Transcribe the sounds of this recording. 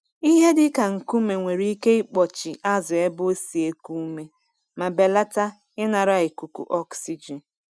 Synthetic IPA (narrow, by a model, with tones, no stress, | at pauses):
i˦ɦe˦dɪ˦ka˨ŋ̩˨ku˦me˨ŋʷe˨ɾi˦i˦ke˦ɪ˦k͡pɔ˨t͡ʃɪ˨ʔa˦zʊ˨e˦be˦si˨e˦ku˦me˦ | ma˨be˨la˦ta˦ | ɪ˦na˨ɾa˦˨ɪ˨ku˨kṵ˨ʔɔ˦ksi˨d͡ʒi˨n